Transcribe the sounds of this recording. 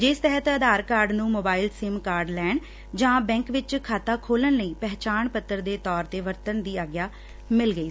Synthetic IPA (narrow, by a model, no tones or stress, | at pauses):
d͡ʒɪst̪əɦət̪əd̪aːɾkaːɾɖnũːmoːbaːɪlsɪːmkaːɾɖlɛːɳ | d͡ʒãːbɛ̃ːŋkʋɪt͡ʃkʰaːt̪aːkʰoːlənləiːpɛɦt͡ʃaːɳpət̪ːəɾd̪eːt̪ɔːɾt̪eːʋəɾt̪ənd̪iːaːɡjaː | mɪlɡəiː